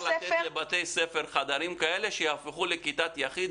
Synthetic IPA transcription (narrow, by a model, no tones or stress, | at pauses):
lat̪et̪lebat̪e̞jsefeʁχad̪aɾimkae̞leʃejafiχulekit̪at̪jaχid̪